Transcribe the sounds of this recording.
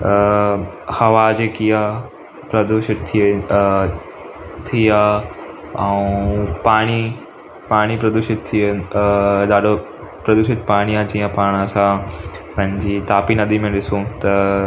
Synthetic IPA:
hɐʋad͡ʑeːkija | pɾɐd̪uʃɪd̪̚t̪ʰi | t̪ʰija | ɐũpaːɽ̃i | paːɽ̃ipɾɐd̪uʃɪd̪̚t̪ʰiə | ɗ̪aːɗo | pɾɐd̪uʃɪd̪̚paːɽ̃iãd͡ʑiːə̃paːɽ̃ɐsãpɐ̃ɦɪ̃ɲd͡ʑit̪aːpinɐd̪ʱimẽɗɪsot̪ɐ

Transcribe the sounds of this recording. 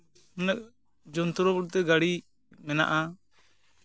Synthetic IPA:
mənək̚ | d͡ʒɔnt̪ɔɾɔbuɽ̚t̪ɛɡaɽi | mɛna̰ʔa

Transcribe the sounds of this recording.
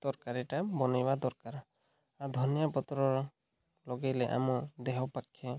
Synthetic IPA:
d̪̥ɔɹkaɹiʈabɔnajbad̪ɔɹkaɾ | ad̪ʱɔnijapɔt̪ɾɔɹ | lɔɡɛjlɛʔa̰mud̪eɦɔpakʰːɛ

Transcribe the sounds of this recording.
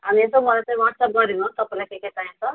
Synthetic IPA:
ɦamiesomʱʌlat͡saj̃waʈsʌp̚ɡʌɾinɦt̪ʌpaĩlajkeket̪aĩt͡sʰʌ

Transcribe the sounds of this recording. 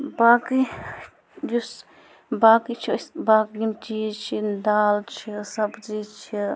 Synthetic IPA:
baːki | jus | baːkit͡ʃʰisbaːkimt͡ʃit͡ʃʰind̪aːlt͡ʃʰisɐbzit͡ʃʰi

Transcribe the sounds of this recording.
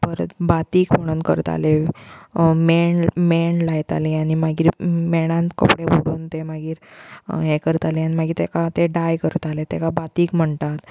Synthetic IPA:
bəɾət̪bat̪iːkm̤əɽ̃uːnkə̰ɾt̪a̰le | meɳmeɳlajt̪a̰liañimaɡiːɾmɛɽ̃ãnt̪kə̰pɽeboɽuːnt̪emaɡiːɾɦekəɾt̪alianimaɡiːɾt̪ekat̪eɖajkəɾt̪alet̪ekabat̪iːkm̤əɳt̪at̪

